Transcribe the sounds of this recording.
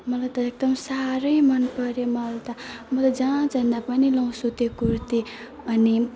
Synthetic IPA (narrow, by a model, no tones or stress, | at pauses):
mʌlajt̪ʌek̚d̪ʌmsaɾʌjmʌnpʌɾjomʌlt̪ʌmʌt̪ʌd͡zãt͡sbʱʌnd̪apʌnilʌw̃sut̪ekurt̪i | ʌni